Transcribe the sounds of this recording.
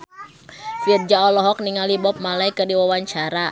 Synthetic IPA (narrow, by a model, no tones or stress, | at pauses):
fird͡ʒaɔlɔɦɔk̚niŋalibɔp̚malaikərdiwawaɲt͡ʃaɾa